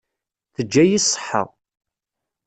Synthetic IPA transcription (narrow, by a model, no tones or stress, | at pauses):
θəd͡ʒːæjisˤːə̥ħːə̰ʁˤ